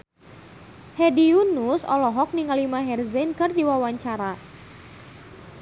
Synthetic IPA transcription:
hediunusɔ̰lɔɦɔk̚niŋalimaɦɛrzɛnkɨrdiwawaɲt͡ʃaɾa

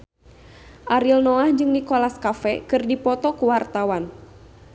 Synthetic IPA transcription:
ʔaɾilnɔahd͡ʒɨŋnikolaskafɛkɨrdipɔt̪ɔkuwart̪awan

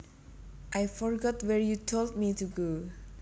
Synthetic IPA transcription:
ʔajfɔɹɡɔtwɛɹjutʰoldmituɡo

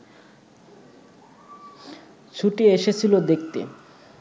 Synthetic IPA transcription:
t͡ɕʰuʈieʃet͡ɕʰilod̪ek̚t̪ḛ

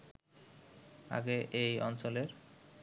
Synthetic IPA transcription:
a̰ɡeʔejɔnt͡ɕoleɾ

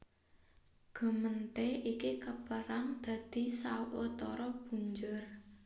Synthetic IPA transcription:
ɡ̥ə̤mənt̪eikikəpəɾaŋd̪̥ä̤d̪̥i̤sawot̪ɔɾɔb̥uɲd͡ʒʊr

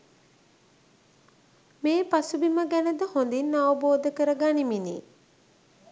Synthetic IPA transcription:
meːpasubiməɡænəd̪əhond̪inːaʋəboːd̪əkəɾəɡaːniminḭ

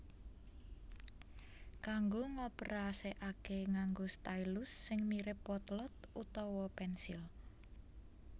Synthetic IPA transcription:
kaŋɡoŋɔpəɾaseʔakeŋaŋɡost̪ajlʊsːɪŋmiɾɪpwɔt̪lɔt̪̚ut̪ɔwɔpɛnsil

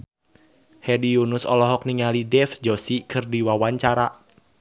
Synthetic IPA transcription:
hɛdiunʊsɔlɔɦɔk̚niŋalidɛfd͡ʒɔsikʰɨrdiwawaɲt͡ʃaɾa

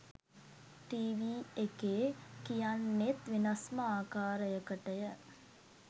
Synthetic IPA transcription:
ʈiːʋiːekeːkijanːet̪ʋinasməaːkaːɾəjəkəʈəjə

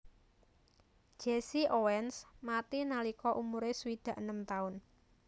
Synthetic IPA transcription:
ʒ̥esiʔowɛnsmat̪inalikɔʔumuɾesuwid̪̥ä̤ʔənəmt̪aʊn

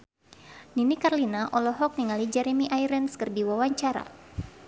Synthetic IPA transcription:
ninikarlinaʔɔlɔɦɔk̚niŋalid͡ʒɛɾemiʔajɾənskərdiwawaɲt͡ʃaɾa̰

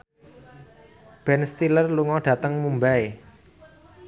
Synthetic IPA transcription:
b̥ɛnst̪ilərluŋɔɖ̥ä̤t̪əŋmumbae

